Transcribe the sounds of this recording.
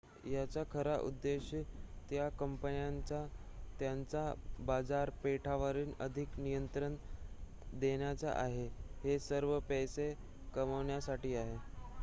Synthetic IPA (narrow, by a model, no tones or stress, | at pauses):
jat͡sakʰəɾaʔṵd̪ːeɕət̪jakəmpənjant͡sat̪jant͡sabad͡zaɾpeʈʰaʋaɾiːnəd̪ʱiknijənt̪ɾən | d̪eɳjat͡sa̰ʔaɦehesəɾʋəpɛjse | kəməʋɳjasaʈiːaɦe